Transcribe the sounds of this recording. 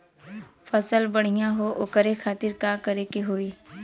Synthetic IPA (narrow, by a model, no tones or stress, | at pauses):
fəsəlbəɽ̤ijãɦoʔʊkəɾexʰaːt̪ɪɾkakəɾekeɦoːeː